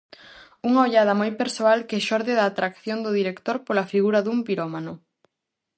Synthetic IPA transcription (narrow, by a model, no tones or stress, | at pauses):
uŋaoʎað̞ɐmojpeɾsoalkeʃɔɾðeðaːt̪ɾakθjond̪ʊðiɾekt̪oɾpolafiɣuɾɐðumpiɾomanʊ